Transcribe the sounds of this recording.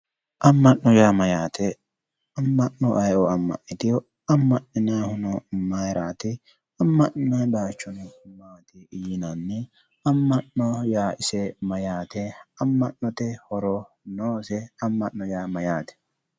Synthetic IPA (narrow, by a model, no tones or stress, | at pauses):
ʔɐmːɐʔːɔjaːmɐjaːt̪ʰɛ | ɐmːɐʔːɔʔɐjʔɔɐmːɐ̰ʔɪt̪ɪjɔ | ɐmːɐnːɪnaːhʊnɔmɐjɾaːt̪ɪ | ɐmːɐʔɪnɐnbaːt͡ʃːɔnɛmaːt̪ɪɪjɪnɐnːɛ | ɐmːɐnːɔjaːʔɪsɛmɐjaːt̪ɛɐmːɐʔːɔt̪ɛhɔɾɔ | noːsɛɐmːɐʔːɔjaːmɐjaːt̪ɛ̥